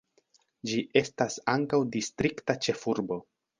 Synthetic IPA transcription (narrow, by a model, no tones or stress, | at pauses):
d͡ʒiʔe̞stasaŋkawdistɾiktat͡ʃe̞fuɾbo̞